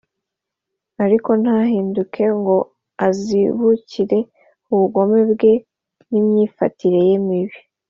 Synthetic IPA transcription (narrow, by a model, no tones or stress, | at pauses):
aɾiko̞n̥haɦiːndukʰe̞ŋɡo̞ | aziβuciɾe̞ | uβuɡo̞me̞bɡe̞ | nimɲiːfatʰiɾe̞jemiβi